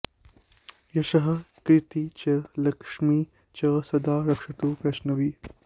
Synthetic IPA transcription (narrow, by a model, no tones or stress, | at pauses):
jɐʃɐɦɐkɾɪt̪it͡ʃɐlɐkʂmiː | t͡ʃɐsɐd̪aːɾɐkʂɐʈ̪uːpɾɐʃnɐʋiː